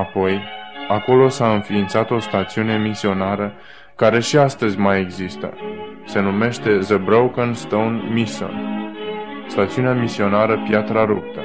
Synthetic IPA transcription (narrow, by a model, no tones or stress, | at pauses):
apo̞jako̞lo̞saɨnfiːnt̪sat̪o̞st̪at̪siune̞misio̞naɾə | kaɾe̞ʃiast̪əzʲmaje̞ɡzist̪ə̰ | se̞nume̞ʃt̪e̞zəbɾowkənst̪ownmiso̰n | st̪at̪siuneamisio̞naɾəpjat̪ɾaɾup̚t̪ə